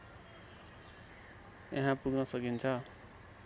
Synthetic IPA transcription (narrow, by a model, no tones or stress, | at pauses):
jḛɦãpuɡnʌsʌkint͡sʰʌ